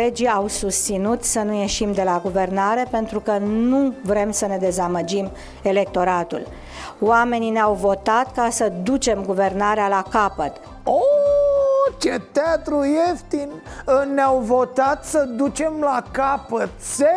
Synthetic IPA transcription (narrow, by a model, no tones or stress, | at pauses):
ed͡ʒiawsust̪sinut̪sənuje̞ʃimd̪e̞laɡuve̞rnaɾe̞pe̞nt̪ɾukənuvɾe̞msəne̞d̪e̞zaməd͡ʒim | e̞le̞k̚t̪o̞ɾat̪ṵl | wame̞nineawvo̞t̪at̪kasəd̪ut͡ʃe̞mɡuve̞rnaɾealakapət̪ | o | t͡ʃet̪eat̪ɾujeft̪in | neawvo̞t̪at̪səd̪ut͡ʃe̞mlakapət̪se